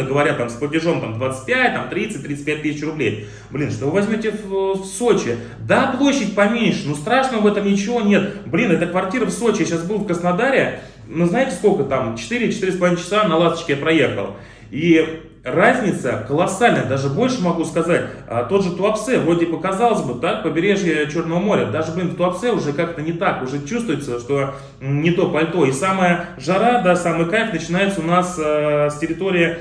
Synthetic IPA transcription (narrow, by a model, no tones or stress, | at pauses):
əɡəvɐɾʲat̪amsplˠətʲɪʐo̞mt̪amd̪vat̪sɨ̥t̚ʲpʲætʲt̪amt̪ɾʲit̪sɨt̚ʲt̪ːɾʲit̪sɨ̥pʲæt̚ʲt̪isʲɪt͡ɕrʊblʲej | blʲinʂt̪ovɨvɐzʲmʲotʲɪfso̞t͡ɕɪ | d̪aplˠo̞ɕːɪtʲpɐmʲenʲʂɨnust̪ɾaʂnəvɛt̪əmnʲɪt͡ɕɪvo̞nʲe̞t̪blʲinɛt̪əkvɐrtʲiɾəfso̞t͡ɕɪjaɕasbɨlˠfkɾəsnɐd̪aɾʲɪ | nuznajɪtʲɪ̥skolʲkət̪amt͡ɕɪ̥t̪ɨɾʲɪt͡ɕɪt̪iɾʲɪsplɐvint͡ɕɪ̥sanɐlˠast̪ə̥t͡ɕkʲɪjapɾɐje̞xə̰lˠ | i | razʲnʲɪt̪səkəlˠɐsalʲnəjəd̪aʐɨbo̞lʲʂɨmɐɡuskɐzatʲət̪od̪ʐɨt̪ʊɐptsɛvɾo̞tʲipəkɐzɑlˠəzʲbɨt̪akpəbʲɪɾʲe̞ʐjət͡ɕo̞rnəvəmo̞ɾʲə̰d̪aʐɨblʲɪnft̪ʊɐpt̪sɛʊʐɛkakt̪ənʲɪt̪akʊʐɛt͡ɕust̪vʊjɪt̪səʂt̪o̞ | nʲɪt̪o̞pɐlʲt̪o̞isaməjə | ʐɐɾad̪asaməjəkafʲnət͡ɕɪnajɪt̪səʊnasəsʲtʲɪɾʲɪt̪o̞ɾʲɪɪ